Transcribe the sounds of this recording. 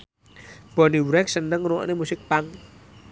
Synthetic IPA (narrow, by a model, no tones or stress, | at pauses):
b̥ɔ̤niwɾɛksənəŋnuɔ̰ʔnemusɪk̚paŋ